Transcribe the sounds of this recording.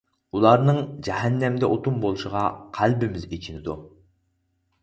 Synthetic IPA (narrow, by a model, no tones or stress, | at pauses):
ulˠɑɾnɨŋd͡ʒɛɦɛnːɛmd̪ɛʔot̪ʰumbolˠuʃəʁɑqʰælbɪmɪzet͡ʃʰinɪd̪u